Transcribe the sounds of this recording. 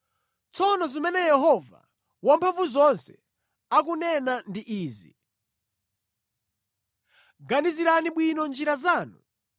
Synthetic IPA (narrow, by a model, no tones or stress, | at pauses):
t͡sʰɔnɔzimɛnɛjɛɦɔva̰ | wampʰaɱvuzɔnsɛ | akunɛnandiʔiːzḭ | ɡaniziɾaniɓwinɔnd͡ʒiɾazaːnu